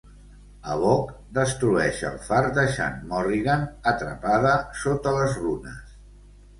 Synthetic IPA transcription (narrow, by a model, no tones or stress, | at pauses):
əβɔkd̪əst̪ɾuɛʃə̰lˠfaɾd̪əʃa̰nmɔriɣanət̪ɾə̰paðəsot̪ələzrunəs